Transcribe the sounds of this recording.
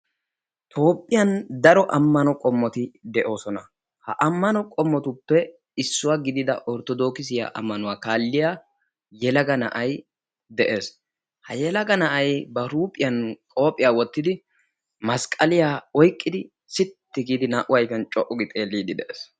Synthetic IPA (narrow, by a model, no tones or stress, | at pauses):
t̪ʰo̞ːpʼːɪjɐnd̪ɐɾɔʔɐmːɐnɔkʼɔmːɔt̪ɪd̪ɛʔo̞ːsɔnɐ | hɐʔɐmːɐnɔkʼɔmːɔt̪ʊpːɛ | ɪsːʊwaɡɪd̪ɪd̪ɐ̰ʔɔɾt̪ɔd̪o̞ːkɪs̬ɪja̰ʔɐ̰mːɐnʊwaːkaːlːɪjaː | jɛlɐɡɐnɐ̰ʔɐj | d̪ɛʔe̞ːs | hɐjɛlɐɡɐnɐʔɐjbɐɾuːpʼːɪjɐnkʼo̞ːpʼːɪjaːwɔt̪ːɪd̪ɪ | mɐskʼɐlɪjaːɔjkʼːɪd̪ɪ | sɪt̪ːɪɡiːd̪ɪnaːʔʊwɐjfjɐnt͡ʃʼɔʔɔɡɪt̪ʼe̞ːlːiːd̪ɪd̪ɛʔeːs